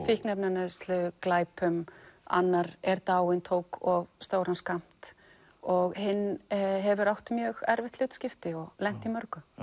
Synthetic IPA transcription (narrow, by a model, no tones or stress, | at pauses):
fɪhknɛpnanɪst̪lʏklaːjpʏma̰nːaɾɛɾt̪aːwɪnt̪ʰoːwkɔɣst̪oːwɾanskam̥t̪ | ɔɣɦɪnːɦɛvʏɾawht̪mjœɣɛɾvɪht̪lʏːt̪scɪft̪ɪɔɣlɛn̥t̪imœɾkʏ